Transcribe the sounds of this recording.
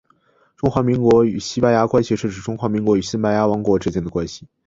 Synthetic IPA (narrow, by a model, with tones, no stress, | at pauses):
ʈ͡ʂʊ˥ŋxwa˧˥mi˧˥ŋkwɔ˧˥y˨˩ɕi˥pa˧ja˥kwa˥nɕi˨˧ʂ̩˥˩ʈ͡ʂɻ̩˧˥˩ʈ͡ʂʊ˥ŋxwa˧˥mi˧˥ŋkwɔ˧˥y˨˩ɕi˥npa˧˩ja˥wɑ˧˥ŋkwɔ˧˥ʈ͡ʂɻ̩˥t͡ɕjɛ˥˩nd̪ə˨kwa˥nɕi̥˨˩